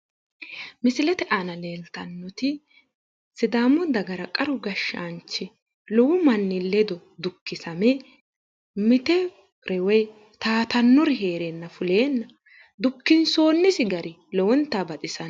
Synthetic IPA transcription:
mɪsɪlɛt̪ɛʔanɐleːlt̪ɐnːɔt̪ɪ | sɪd̪aːmːɔd̪ɐɡɐɾɐkʼɐɾʊɡɐʃːa̰nt͡ʃːɪ | lɔwʊmɐnːɪlːɛd̪ɔ | d̪ʊkːɪsɐmɛ | mɪt̪ɛ | ɾʔɛwɛj | t̪aːt̪ɐnːɔɾɪɦeːɾenːɐfʊle̞ːnːɐ | d̪ʊkːɪnso̞ːnːɪsɪɡɐɾʔɪ | lɔwɔnt̪ːabɐt̪ʼɪsɐn

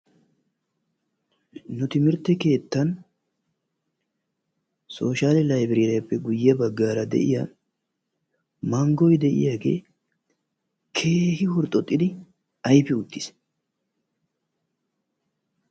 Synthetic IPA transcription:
nʊt̪ɪmɪɾt̪ːɛke̞ːt̪ːɐn | so̞ːʃaːllɐjbɪɾɪɐpːɛɡʊjːɐbɐɡːaːɾɐd̪ɛ̰ʔɪ̰ja | mɐŋɡɔjd̪ɛʔɪ̰jaːɡe̞̰ː | kʰe̞ːhɪhʊɾt̪ʼːɔt̪ʼːɪd̪ɪ | ɐjpːɛʊt̪ːɪs

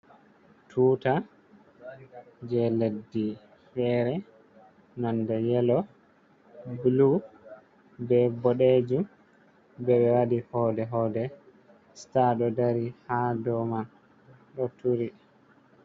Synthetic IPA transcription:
tʰuːta | d͡ʒɛledːi | fɛɾɛ | nandɔjɛlɔ | bulu | bɛbɔɗed͡ʒum | bɛɓɛwadihɔdɛɦɔdɛ | staɗɔdaɾihadɔma | ɗɔtʰuɾi

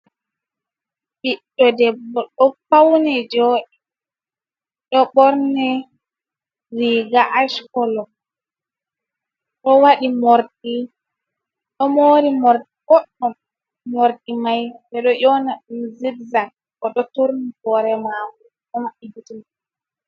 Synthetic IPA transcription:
biɗːɔdɛbɔɗɔfawnɛd͡ʒoːɗi | ɗɔɓɔɾnɛ | ɾiɡaʔaʃkɔlɔ | ɗɔwaɗimoɾdi | ɗɔmoːɾimɔɾ | ɡɔɗːɔ | moɾɗimajdɛɗɔjɔnaɗumzidzak̚ː | ɔɗɔtuɾnibɔɾɛmamu | ɗɔmaʔiɡitin

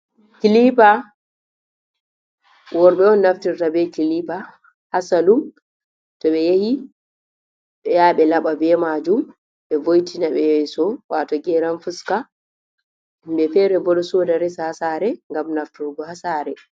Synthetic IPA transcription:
kilipa | wɔɾɓɛɔnːaftiɾtabɛkilipa | hasalum | tɔɓɛjehi | ɓɛjaɓɛlaɓabɛmad͡ʒum | ɓɛvojtʰinaɓɛjaisɔwatɔɡɛɾanfuska | ɓɛfɛɾɛbɔɗɔsɔdaɾɛsahasaɾɛŋɡamnaftuɾɡɔhasaɾɛ

